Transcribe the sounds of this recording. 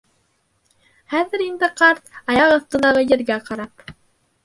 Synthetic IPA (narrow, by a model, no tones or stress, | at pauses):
χæðɘ̆ɾind̪ɘqɑɾt̪̚ɑjɑʁɤ̆θt̪ɤ̆nɑʁɤjɘ̆ɾɡæqɑɾɑp